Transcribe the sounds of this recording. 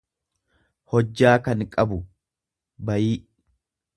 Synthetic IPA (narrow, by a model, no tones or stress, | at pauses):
hɔd͡ʒːaːkɐnkʼɐbʊ | bɐjiːʔ